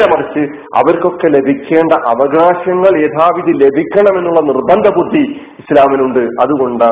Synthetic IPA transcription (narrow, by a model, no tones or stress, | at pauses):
ɾɐmɐrɐt͡ɕːɨ | ɐ̰ʋɐɾko̞kːe̞le̞bʱikʲːe̞ːɳɖɐʔɐʋɐɡaːɕɐŋːɐɭeːd̪ʱaːʋiðile̞bʱikʲːɐɳɐme̞nːuɭːɐnirbɐnd̪ʱɐbud̪ʱːi | islaːminuɳɖɨʔɐðuɣo̞ɳɖa